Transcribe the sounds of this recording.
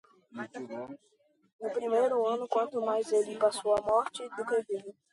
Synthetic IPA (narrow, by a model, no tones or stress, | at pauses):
nʊpɾimejɾʊɐ̃nʊkwɐ̃nt̪ʊmajzelɪpasowamɔɾt͡ʃɪd̪ʊkevil